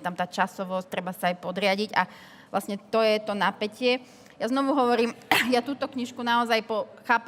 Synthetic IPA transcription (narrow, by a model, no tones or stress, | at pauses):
t̪amt̪aːt͡ʃasɔʋɔst̪ɾɛbasaːjpɔd̪ɾɪaɟiɟa̰ | ʋla̰sɲɛt̪ɔjɛt̪ɔnapɛcɪɛ | jaznɔʋuɦɔʋɔɾiːmjat̪uːt̪ɔkɲiʃkunaɔzajpɔxaːp